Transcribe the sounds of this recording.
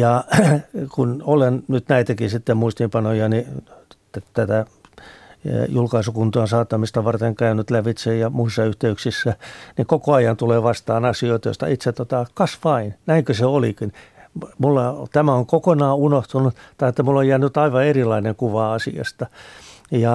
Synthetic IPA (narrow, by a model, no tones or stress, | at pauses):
jɑ | kunolennyt̪næit̪ækisit̪ːemmuist̪impɑnojɑni | t̪æt̪æ | julkɑisukunt̪uɑnsɑːt̪ːɑmist̪ɑʋɑrt̪eŋkæynyt̪læʋit̪sejjɑmuisːɑyht̪eyksisːænikokoɑjɑnt̪uleːʋɑst̪ɑːnɑsioit̪ɑjo̰st̪ɑ̰it̪sett̪ot̪ɑkɑsʋɑinnæiŋkøseolikinmulːɑt̪æmæoŋkokonɑːunoht̪unut̪t̪ɑiet̪ːæmulːojjæːnyt̪ɑiʋɑerilɑineŋkuʋɑɑsḭɑ̰st̪ɑjɑ